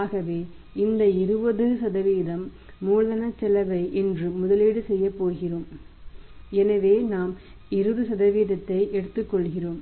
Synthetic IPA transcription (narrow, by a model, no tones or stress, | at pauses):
aːɣɐʋeː | ɪnd̪ɐɪɾɯbɐðɯsɐðɐʋiːðɐmː | uːɻðɐnɐt͡ʃːɛlɐʋɐɪʔɛndrɯmʊðɐleːɽɯsɛjːɐpːoːɣɪroːm | ɛnɐʋeːnaːm | ɪɾɯðɯsɐðɐʋiːðɐt̪ːɐɪʔɛɽɯt̪ːɯkːɔɭɣɪroːm